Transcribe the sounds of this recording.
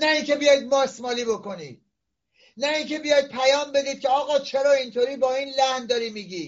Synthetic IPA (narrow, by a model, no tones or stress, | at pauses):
næiŋkʰe̞bijɒjd̪̚mɒːsmɒːliːbo̞ko̞niːd̪̥ | næiŋkʰe̞bijɒjd̪̚pʰæjɒːmbe̞d̪iːd̪̚kʰʲeɒːɣɒːt͡ʃʰeɾɒːint̪ʰoːɾiːbɒːiːnlæhnd̪ɒːɾiːmiːɡiː